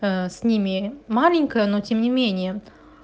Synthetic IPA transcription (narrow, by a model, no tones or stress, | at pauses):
əsʲnʲimʲɪmalʲɪnʲkəjənotʲemnʲɪmʲenʲɪjə